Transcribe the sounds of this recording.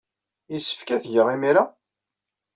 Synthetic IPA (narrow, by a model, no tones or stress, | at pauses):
isə̥fkæθʝəʁimiɾa